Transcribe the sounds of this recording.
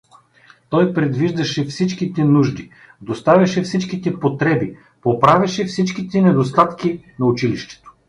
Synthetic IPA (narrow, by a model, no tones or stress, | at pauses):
t̪ɔjpɾɛd̪viʒd̪ɐʃɛfsit͡ʃkit̪ɛnuʒd̪i | d̪ost̪avʲɐʃɛfsit͡ʃkit̪ɛpot̪ɾɛbi | popɾavʲɐʃɛfsit͡ʃkit̪ɛnɛd̪ost̪at̪kʲinɐʊt͡ʃiliʃt̪ɛ̥t̪o̥